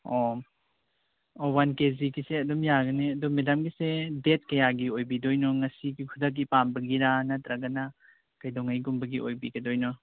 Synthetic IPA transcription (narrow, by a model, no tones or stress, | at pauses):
o | owankezikiseɐdumjaɡɐneɐdɔmedamɡisedet̚kɐjaɡiojbidojnɔŋɐsiɡikʰudɐk̬̚ːipambɐɡiɾanɐtɾɐɡɐnɐ | kɐjdɔŋajɡumbɐɡiʔojbiɡɐdojnɔ